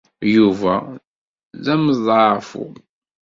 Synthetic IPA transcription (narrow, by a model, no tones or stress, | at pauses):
juvæ | ðæməzˤfṵ